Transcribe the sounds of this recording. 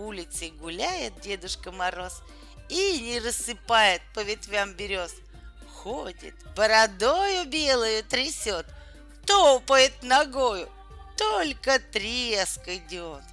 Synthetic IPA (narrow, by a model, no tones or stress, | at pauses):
ulʲɪt̪sɨɡʊlʲæjɪt̪̚dʲe̞d̪ʊʂkəmɐɾo̞s | inʲɪrəsːɨpajɪt̪̚pəvʲɪt̪vʲambʲɪɾʲo̞s | xodʲɪ̰t̪bəɾɐd̪ojʊbʲelˠəjʊt̪ɾʲɪsʲot̪ | t̪opəjɪt̪nɐɡojʊ | t̪olʲkət̪ɾʲeskədʲo̞t̪